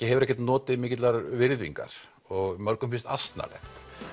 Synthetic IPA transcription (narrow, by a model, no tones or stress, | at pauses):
cɪhɛvʏɾɛhçcɛt̪nɔːt̪ɪmɪːcɪt̪laɾvɪɾðḭŋka̰ɾ̥ | ɔɣmœɾkʏmfɪnst̪a̰st̪na̰lɛ̰xt̪